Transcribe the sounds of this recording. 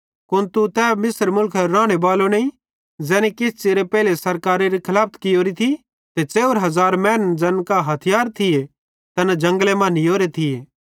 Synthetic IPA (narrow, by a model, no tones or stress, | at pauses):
kʊnt̪ut̪ɛːmɪsəɾmʊlkʰɾãːɽ̃ebaːlonɐĩ | d͡zɛːnikɪst͡ʃeɾepɛːlesɐɾkaːɾeɾikʰɐlaːp̚ʰt̪kɪjoːɾit̪ʰi | t̪et͡ʃeːʋəɾɦɐzaːɾmɛ̃ːnd͡ʒɐnkaɦɐt̪ʰɪjaːɾt̪ʰɪje | t̪ɐnad͡ʒɐ̃ŋɡlemãnijoːɾet̪ʰɪjeː